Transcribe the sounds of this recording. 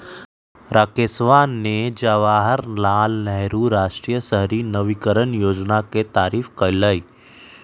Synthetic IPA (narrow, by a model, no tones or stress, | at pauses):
ɾakesʋaːnːed͡ʒaʋaːɦəɾlaːlnɛɦɾuɾaːʃʈɾijəsəɦɾinəʋikəɾənjoːd͡ʒnaket̪aːɾiːfkələiː